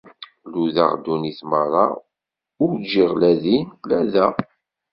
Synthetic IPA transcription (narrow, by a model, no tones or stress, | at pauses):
luða̰ʁd̪uniθməɾˤɑ̰ | ʊɾd͡ʒiʁlæðinlæðæ